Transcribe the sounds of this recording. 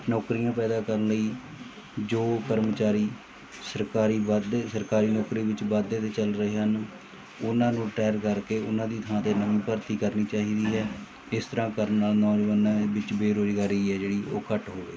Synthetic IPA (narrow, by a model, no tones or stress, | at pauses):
nɔːkɾijãːpɛːd̪aːkəɾənləiː | d͡ʒoːkəɾmt͡ʃaːɾiː | səɾkaːɾiːbəd̪esəɾkaːɾiːnɔːkɾiːʋɪt͡ʃbəd̪eːt̪eːt͡ʃəlɾəɦeːɦən | ʊnãːnũːɾɪʈaːjəɾkəɾkeːʊ̰nãːd̪iːt̪ʰãːt̪eːnəmĩːpəɾt̪iːkəɾniːt͡ʃaːɦiːd̪iːɦɛː | ɪst̪əɾãːkəɾənnaːlnɔːd͡ʒəʋənãːʋɪt͡ʃbeːɾoːzɡaːɾiːɛːd͡ʒeːɽiːʔoːkəʈɦoːʋḛː